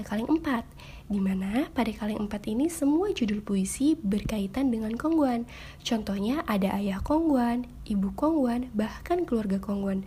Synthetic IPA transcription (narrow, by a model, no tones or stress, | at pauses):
kalɪŋəmpat̪̚ | dimanapadakalɪŋʔəmpat̪inisəmuad͡ʒudʊlpuisibərkait̪andəŋankɔŋɡuan | t͡ʃɔnt̪ɔhɲaʔadaʔajahkɔŋɡuan | ʔibukɔŋɡuanbahkankəluarɡakɔŋɡuan